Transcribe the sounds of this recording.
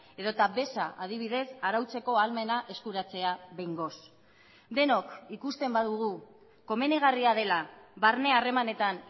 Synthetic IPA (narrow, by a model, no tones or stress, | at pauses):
e̞ðo̞t̪aβe̞saʔað̞iβ̞iðe̞saɾawt͡se̞ko̞alme̞naʔe̞skuɾat͡se̞aβejŋɡo̞s | d̪e̞no̞kikust̪e̞mbaðuɣu | ko̞me̞neɣ̞ariað̞e̞laβaɾne̞are̞mane̞t̪an